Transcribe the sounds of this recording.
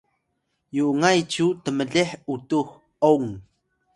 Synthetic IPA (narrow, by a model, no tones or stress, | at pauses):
juʔŋajt͡ɕutəməɮeħʔutux | oŋ